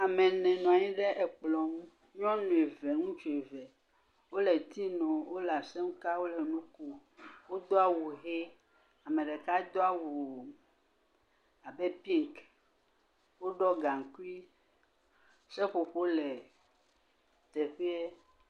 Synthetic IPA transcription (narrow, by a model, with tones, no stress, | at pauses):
a˨mɛ˨nɛ̃˨nɔ̃˨a˨ɲĩ˦ɖɛ˦ʔɛ˨k͡plɔ˨m˦ | ɲɔ̃˦nũ˨e˨vɛ˨ŋũ˦t͡ʃo˨e˨vɛ˨ | wo˦lɛ˨t̪i˦nɔ̃˨wo˦la˨sɛ˦m˦ka˦wo˦lɛ˨nũ˦ku˦wo˦d̪o˦a˨wu˨ɦe˦ | a˨mẽ˨ɖɛ˨ka˦d̪o˦a˨wu˨ | a˨bɛ˦pi˦ŋk | wo˦ɖɔ˦ɡa˨ŋ˨ku˦i˦ | sɛ˦ɸo˨ɸo˦lɛ˨ | t̪ɛ˨ɸe˦ɛ˦